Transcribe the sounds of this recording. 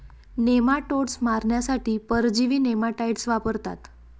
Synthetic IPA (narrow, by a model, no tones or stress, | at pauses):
nemaʈoɽsmaɾɳjasaʈʰiːpəɾd͡ʑiʋiːnemaʈaiʈsʋapəɾt̪a̰t̪